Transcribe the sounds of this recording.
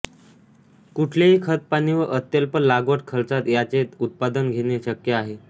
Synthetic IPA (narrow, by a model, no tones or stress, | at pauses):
kuʈʰleɦiːkʰət̪̚paniʋəʔət̪jəlpəlaɡəʈkʰəlt͡sat̪jat͡set̪ut̪̚pad̪ənɡʱeɽ̃eɕəkjəaɦe